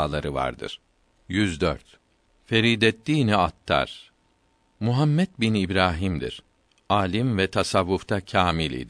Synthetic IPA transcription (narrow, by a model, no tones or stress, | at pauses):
lˠaɾɯva̰ɾd̪ɯ̰ɾ̥ | jyzd̪ø̰ɾt̪ | fe̞ɾiːd̪ɛt̪ːiːniat̪ʰːa̰ɾ̥ | muɦamːɛt̪̚binibɾaːɦimd̪ḭɾ̥ | aːlʲimvɛt̪ʰasavːuft̪ʰacʰaːmilʲḭd̪i